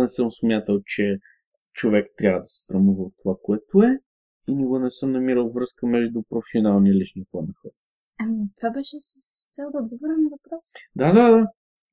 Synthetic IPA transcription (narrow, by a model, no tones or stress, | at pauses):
nɛsəmsmʲjat̪əlˠt͡ʃɛ | t͡ʃovɛkt̪ɾʲjavəd̪ɐsɛ̥st̪ɾɐmuvəot̪ːovakoɛt̪oɛ | inɛɡonɛsɤmnɐmiɾəlˠvɾɤskəmɛʒd̪ʊpɾofsionalˠniəlit͡ʃnipˠɔnixɔɾ | ɐmit̪ovabɛʃɛsəst̪sɛlˠd̪əod̪ɡovɔɾɛnivɐpɾɔsd̪ad̪ad̪a